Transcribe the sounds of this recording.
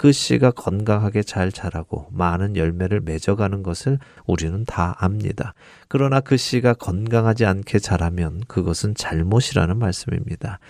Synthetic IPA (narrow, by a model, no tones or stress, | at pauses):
kɯɕ͈iɡakʌnɡaŋɦaɡe̞t͡ɕaɭt͡ɕaɾaɡo̰manɯnjʌɭme̞ɾɯɭme̞d͡ʑʌɡanɯnɡʌsʰɯɭ | uɾinɯntaamɲḭda | kɯɾʌnakɯɕ͈iɡakʌnɡaŋɦad͡ʑiankʰe̞t͡ɕaɾamjʌnkɯɡʌsʰɯnt͡ɕaɭmoɕʰiɾa̰nɯnmaɭs͈ɯmḭmɲid̥a